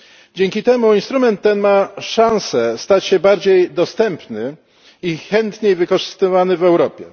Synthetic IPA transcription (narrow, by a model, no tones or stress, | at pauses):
d͡ʑɛŋʲkʲit̪ɛmuinst̪ɾumɛnt̪ːɛnmaʂãñsɛst̪at͡ɕɕɛbaɾd͡ʑejd̪ɔst̪ɛmpnɘ | ixɛnt̪ɲejvɘkɔʐɘst̪ɘvanɘvɛwɾɔpʲjɛ̰